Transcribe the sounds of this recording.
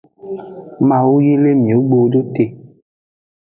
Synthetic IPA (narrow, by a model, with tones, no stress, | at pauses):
mã˨wo˦ji˦le˦mĩ˨o˨˦ɡ͡bo˨˦do˦te˨